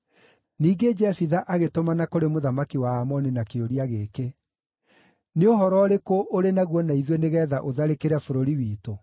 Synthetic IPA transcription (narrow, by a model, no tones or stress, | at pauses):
niːɡed͡ʒɛfiðaʔaɣetomanakoɾemoðamakiwaːmɔninakeoɾiaɣeːke | neoɦɔɾɔɾekoʔoɾenaɣwɔnaiðweneɣɛːðaʔoðaɾekeɾɛfoɾoɾiwiːto